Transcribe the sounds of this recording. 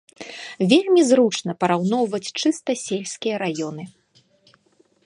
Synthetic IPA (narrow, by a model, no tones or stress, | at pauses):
vʲelʲmʲizɾut͡ʂnɐpɐɾawnɔwvɐt͡sʲt͡ʂɨst̪ɐsʲelʲsʲkʲijɐɾajɔnɨ